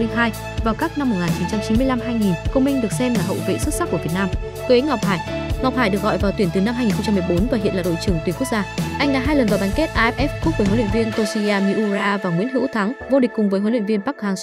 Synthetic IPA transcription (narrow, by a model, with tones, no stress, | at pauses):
ɦaː˧j | vaː˨˩wkaː˦˥k̚na˧mːo˨˩ŋaː˨˩nt͡ɕi˨˦nt͡ɕa˧mt͡ɕi˨˦mɨ˧əla˧mɦaː˧jŋi˨˩nkə˧wŋ͡mmï˧ŋ̟ɗɨ˨˩ək̚sɛ˧mlaː˨˩ɦə̰˧˨wvḛ˧˨sɨ˦˥t̚sa˦˥kːu˧˩əvt̚naː˧m | kːʔi˨˦ŋ̟ŋa˨˩wk͡p̚haː˧˩jŋa˨˩k͡p̚haː˨˧˩jɗɨ˨˩kɣɔ̰˧˨jvaː˨˩wt̪wi˧˩ənt̪ɨ˨˩na˧mɦaː˧jŋi˨˩xŋ͡mt͡ɕa˧mːɨ˨˩ə˩jɓo˨˦nvaː˨˩ɦḭ˧˨ənlaː˨ɗo̰˧˨t͡ɕɨ˧˩əŋt̪wi˨˩nku˦˥k̚zaː˧ʔa˧jŋ̟ɗa̰ː˧˥ɦaː˧jlə˨˩nt̪aː˨˩ɓa˨˦ŋ̟ke˦˥t̚ʔaː˧ʔɛ˦˥p̚ʔɛ˦˥fku˦˥k̚və˧˩ɦo˨˦nw̰vi˧ənt̪o˧si˧ʔaː˧mi˧ʔu˧za˧ʔaː˧vaː˨˩ŋwḭ˧˥ənɦɨ̰˧˥wt̪ʰa˨˦ŋvo˧ɗï˨˩k̟̚ʲːkʊ˨˩ŋ͡mvəː˨˦jɦo˨˦lwḭ˧˨nvi˧ənɓaː˦˥k̚haː˧ŋs